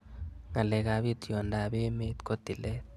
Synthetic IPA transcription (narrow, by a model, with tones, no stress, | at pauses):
ŋa˨le˨ka˨βi˦t̪jo˨nda˨βi˦me˦t̪ko˦t̪i˨le˦t̚